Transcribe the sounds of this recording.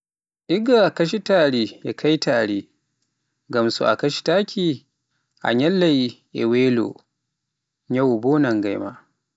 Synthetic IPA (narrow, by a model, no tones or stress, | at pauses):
ʔɪɡakɐʃitaːɽeːjakʰajtaːɽeː | ɡɐmsṵʔa̰kɐʃi̥taːkʲʰiː | ʔa̰ɲɐlːajijḛweːlo̰ | ɲɐwboːnɐŋɡajma̰ː